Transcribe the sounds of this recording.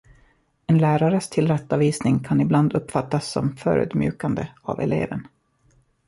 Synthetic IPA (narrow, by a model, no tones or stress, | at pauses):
ɛnlæːɾaɾəst̪ʰɪlɾɛt̪ːaviːsnɪŋkʰanɪbland̪ɵpːfat̪ːasːɔ̰mfœ̰ːɾʉ̟̰ːd̪mjʉ̟ːkand̪əa̰vɛ̰lḛːvən